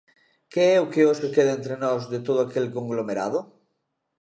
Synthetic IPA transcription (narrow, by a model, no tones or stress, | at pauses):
keɛokeosekeðaent̪ɾenɔzðet̪oð̞oakelkõŋɡlomeɾa̰ð̞o